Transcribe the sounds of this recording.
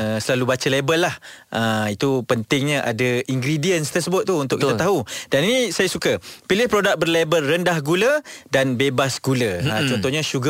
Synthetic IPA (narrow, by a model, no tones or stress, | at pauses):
əsəlalubat͡ʃalebəlːahʔəit̪upənt̪ɪŋɲãʔadaiŋɡɾidiənst̪ərsəbʊt̪̚ːuːnt̪ʊ̰ʔkit̪at̪aɦudaninĩsajasukapilɪhpɾodak̚bərlebəlːəndahɡulədanbebasɡuləət͡ʃɔnt̪ɔɲãʃuɡa